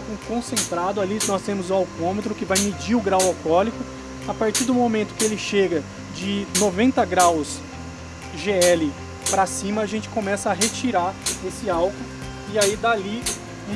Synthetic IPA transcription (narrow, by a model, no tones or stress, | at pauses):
kũkõsẽnt̪ɾad̪ʊalinɔst̪ẽmʊzʊawkõmet̪ɾʊkɪvajmed͡ʒiɾʊɡɾawawkɔlikʊ | apaɾt͡ʃiɾd̪ʊmomẽnt̪ʊ̥kɪelɪʃeɡɐ | d͡ʒɪnovẽnt̪ɐɡɾaws | ʒeɛlɪ | pɾasĩmɐːʒẽnt͡ʃɪ̥kõmɛsɐːɦet͡ʃiɾaɾesɪawkʊ̃ | ɪaid̪ali